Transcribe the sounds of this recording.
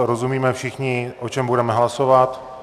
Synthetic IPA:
ɾozumiːmɛfʃɪxɲɪʔot͡ʃɛmbuɾɛmɛɦlasovat̪

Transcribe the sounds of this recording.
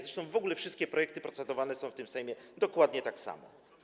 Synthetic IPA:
zɾɛʂt̪ɔ̃w̃vɔɡulɛfʂɘst̪kʲɛpɾɔjɛk̚t̪ɘpɾɔtsɛd̪ɔvanɛsɔ̃w̃ft̪ɘmsɛjmʲjɛd̪ɔkwad̪ɲɛt̪aksa̰mɔ̰

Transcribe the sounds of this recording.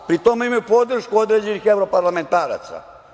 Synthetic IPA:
pɾit̪o̞meimajupo̞d̪r̩ʃkuo̞d̪ɾe̞ːd͡ʑenixe̞ʋɾo̞paɾlame̞nt̪aːɾa̰t̪sa̰

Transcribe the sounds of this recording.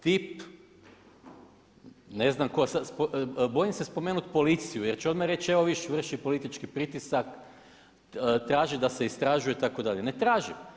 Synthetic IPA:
t̪ip | neznamkosaspobo̞jimsespomeːnut̪po̞lit̪sijujeɾt͡ʃeo̞d̪maɾe̞t͡ʃeʋo̞ʋiʃʋr̩ʃipo̞lit̪it͡ʃkipɾit̪isak | t̪ɾaːʒid̪ase̞ist̪ɾaʒujet̪ako̞d̪aʎenet̪ɾaːʒim

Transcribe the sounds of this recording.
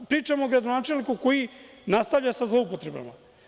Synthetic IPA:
pɾiːt͡ʂamoːɡɾad̪onaːt͡ʃelnikuko̞ji | nast̪aʋʎasazlo̞upo̞t̪ɾe̞ba̰ma̰

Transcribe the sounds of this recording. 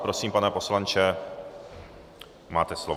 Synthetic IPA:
pɾosiːmpanɛpo̞slant͡ʃɛ | ma̰ːt̪ɛslov

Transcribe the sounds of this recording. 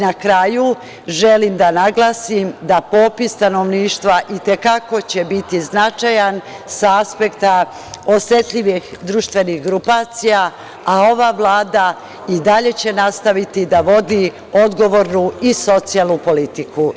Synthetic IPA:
nakɾaːju | ʒelimd̪anaɡlˠaːsimd̪apo̞ːpist̪ano̞ʋniːʃt̪ʋaʔit̪e̞kako̞t͡ɕe̞bit̪iznat͡ʃajansaaspe̞kt̪a | o̞se̞t̪ʎiʋixd̪ɾuːʃt̪ʋe̞nixɡɾupaːt̪sija | ao̞ʋaʋlˠaːd̪a | id̪aʎe̞t͡ɕe̞nast̪aʋit̪id̪aʋo̞d̪i | o̞d̪ɡo̞ʋo̞ːɾnuiso̞t̪sijalˠnupo̞lit̪iku

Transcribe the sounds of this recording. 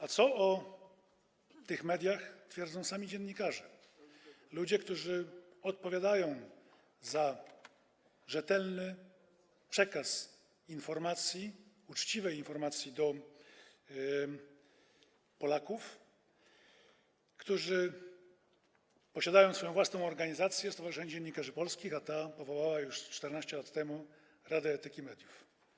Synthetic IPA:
at̪sɔɔ | t̪ɘxmɛd̪ʲjaxt̪fʲjɛɾd̪zɔ̃w̃samʲid͡ʑɛnɲikaʐɛ | lud͡ʑɛkt̪uʐɘ | ɔt̪̚pɔvʲjad̪ajɔ̃w̃ | za | ʐɛt̪ɛlnɘ | pʂɛkas | infɔɾmat̪sʲji | ut͡ʂt͡ɕivɛjinfɔɾmat̪sʲjid̪ɔ | pɔlakuf | kt̪uʐɘ | pɔɕad̪ajɔ̃w̃sfɔjɔ̃vwasnɔ̃w̃ɔɾɡaɲizat̪sʲjɛst̪avaʐɨʂɛɲɛd͡ʑɛɲːikaʐɘpɔlskʲixat̪apɔvɔwawajuʂt͡ʂt̪ɛɾnaɕt͡ɕɛlat̪ːɛmu | ɾad̪ɛɛt̪ɘkʲimɛd̪ʲjuf

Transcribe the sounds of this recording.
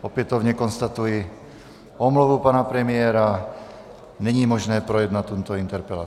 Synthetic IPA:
ɔpɛt̪ɔʋʊɲɛkɔnst̪at̪ujɛ | ɔmluʋupanapɾɛmɪɛːɾa | ɲɛɲiːmɔʒnɛːpɾɔjɛd̪nat̪ɔmt̪ɔint̪ɛɾpɛla

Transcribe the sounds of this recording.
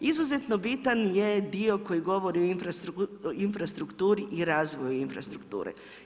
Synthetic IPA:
izuzet̪nobit̪anjed̪iokojiɡo̞ʋoɾioinfɾainfɾast̪ɾukt̪uːɾiʔiɾaːzʋojuinfɾa̰st̪ɾukt̪ṵːɾḛ

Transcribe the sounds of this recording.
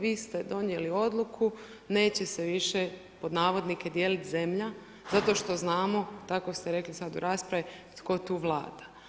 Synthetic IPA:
ʋiːst̪ed̪o̞nje̞lio̞d̪lukʰu | ne̞ːt͡ɕe̞seʋiʃe | po̞d̪naːʋo̞d̪nike̞d̪je̞ːlit̪ze̞mʎa | zat̪o̞ʃt̪o̞znaːmo̞t̪ako̞st̪eɾe̞klisad̪ṵɾʔaːspɾaʋit̪ko̞t̪uːʋlˠa̰ːd̪̥ḁ

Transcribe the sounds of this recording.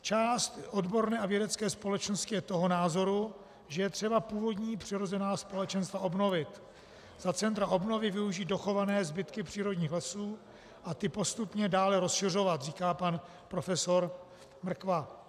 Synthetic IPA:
t͡ʃaːst̪ʔo̞dbo̞ɾnɛːavjɛdɛt͡skɛːspo̞lɛt͡ʃno̞st̪cɪjɛt̪o̞ɦo̞naːzo̞ɾu | ʒɛjɛt̪r̝̥ɛbapuːvo̞dɲiːpr̝̥ɪɾo̞zɛnaːspo̞lɛt͡ʃɛnst̪vao̞bno̞vɪt̪ | z̥at͡sɛnt̪ɾaʔo̞bno̞vɪvɪuʒiːdo̞xo̞vanɛːzbɪt̪kɪpr̝̥iːɾo̞dɲiːxlɛsuː | ʔat̪ɪpo̞st̪upɲɛdaːlɛɾo̞sʃɪr̝o̞vat̪riːkaːpan | pɾo̞fɛso̞ɾ | mr̩kva

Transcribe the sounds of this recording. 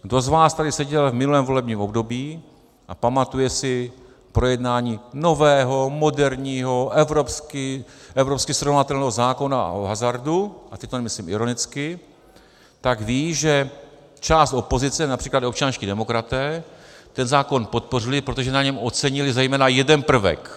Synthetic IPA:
ɡdo̞zvaːst̪adɪsɛɟɛlvmɪnulɛːmvo̞lɛbɲiːmo̞bdo̞biː | ʔapamat̪ujɛsɪ | pɾo̞jɛdnaːɲiːno̞vɛːɦo̞mo̞dɛɾɲiːɦo̞ʔɛvɾopskɪʔɛvɾopskɪsɾo̞vnat̪ɛlnɛːɦozaːko̞naa̰ʔoɦazaɾduʔat̪ɛɪt̪onɛmɪsliːmɪɾo̞nɪt͡skɪ | t̪aɡviːʒɛ | t͡ʃaːst̪ʔo̞po̞zɪt͡sɛnapr̥iːklat̪opt͡ʃansciːdɛmo̞kɾat̪ɛːt̪ɛnzaːko̞npot̪̚po̞r̝ɪlɪpɾo̞t̪oʒɛnaɲɛmot͡sɛɲɪlɪzɛjmɛːnajɛdɛnpr̩vɛ̰k

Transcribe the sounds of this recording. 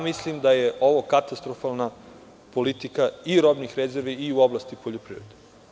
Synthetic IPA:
amislimd̪ajeʔo̞ʋo̞kat̪ast̪ɾofalˠna | po̞lit̪ikaiɾo̞bnixɾezeɾʋiːuoblˠast̪ipoʎopɾḭvɾed̪e

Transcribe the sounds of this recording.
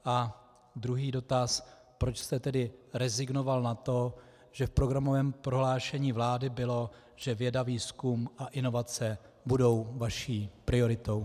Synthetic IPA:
ʔa | d̪ɾuɦiːdo̞t̪as | pɾo̞t͡ʃst̪ɛt̪ɛdɪɾɛzɪɡno̞valnat̪o̞ | ʒ̥ɛfpɾo̞ɡɾamo̞vɛːmpɾo̞ɦlaːʃɛɲiːvlaːdɪbɪlo̞ | ʒ̥ɛvjɛdaviːskumʔaʔɪno̞vat͡sɛ | budo̞wvaʃiːpɾɪo̞ɾɪt̪o̞w

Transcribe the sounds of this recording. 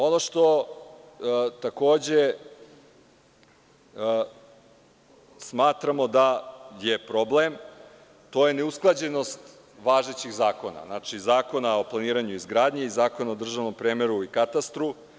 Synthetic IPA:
o̞no̞ʃt̪o̞ | t̪ako̞ːd͡ʑe̞ | smaːt̪ɾamo̞d̪ajepɾo̞blem | t̪o̞jene̞usklˠad͡ʑe̞no̞st̪ | ʋaːʒet͡ɕiɣzaːko̞na̰znaːt͡ʂizaːko̞nao̞plˠaniːɾaɲuizɡɾaːd̪ɲeizaːko̞naod̪r̩ʒaʋno̞mpɾeːmeɾuikat̪ast̪ɾu

